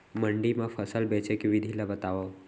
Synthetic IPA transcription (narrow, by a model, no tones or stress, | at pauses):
məɳɖimãpʰəsəlbɛt͡ʃekeʋɪd̪ʱilabət̪aʋa